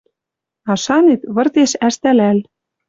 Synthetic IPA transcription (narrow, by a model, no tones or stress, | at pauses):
ɑʃɑnet̪βɤ̆rt̪eʃæʃt̪ælæl